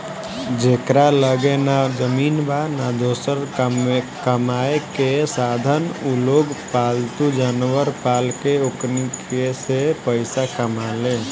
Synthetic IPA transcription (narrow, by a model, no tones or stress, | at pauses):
d͡ʒeːkɾaləɡenad͡ʒəmiːnbanad̪oːsəɾ | kəmaːekesaːd̪ʱənuloːɡpaːlt̪ud͡ʒaːnwəɾpaːlkeoknikesepəɪsakəmaːlẽː